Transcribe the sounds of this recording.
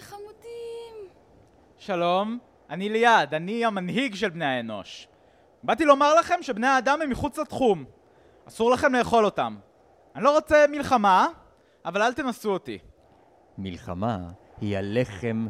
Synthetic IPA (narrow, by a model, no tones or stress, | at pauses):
amutim | ʃalo̞m | anilejadaniamanɦiɡʃe̞lbne̞jaeno̞̰ʃ | batilo̞maʁlaχe̞mʃe̞bne̞jaːdamɛmːiχut͡slatχum | asuʁlaχe̞mle̞ːχo̞lo̞tam | anilo̞ʁot͡se̞milχama | avalalt̪e̞nasuotḭ | milχa̰ma | hia̰le̞χem